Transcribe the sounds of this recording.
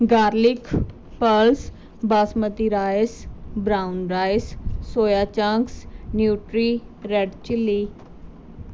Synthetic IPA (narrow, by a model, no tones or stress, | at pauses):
ɡaːɾlɪkʰ | pəls | baːsmət̪iɾaːɪsbɾaːʊnɾaːɪsːoːjaːt͡ʃãŋksnjuːʈɾiːɾɛɖt͡ʃɪlːiː